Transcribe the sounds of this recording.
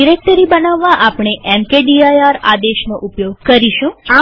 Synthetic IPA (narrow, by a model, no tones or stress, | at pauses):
iɾek̚ʈəɾibənaʋːaʔapɳ̃eʔɛmkeɖiajaɾa̰d̪eʃnoʔupjoɡkəɾiʃũa